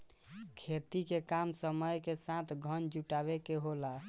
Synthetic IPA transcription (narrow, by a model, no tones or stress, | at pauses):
kʰet̪ikekamsəməjkesãt̪ʰɡʱənd͡ʒuʈaβekeɦola